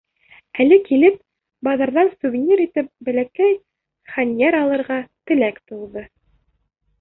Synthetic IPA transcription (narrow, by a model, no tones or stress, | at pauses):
ælɘkilɘp̚ | bɑðɑɾðɑnsuvʲinʲiɾit̪ɘp̚bælækæj | χænʲjeɾɑlˠɤ̆ɾʁɑt̪ɘ̆lækt̪uw̪ˠðɤ